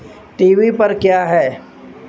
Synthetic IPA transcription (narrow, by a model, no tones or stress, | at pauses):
ʈiːʋipɐɾkjaːɦɛː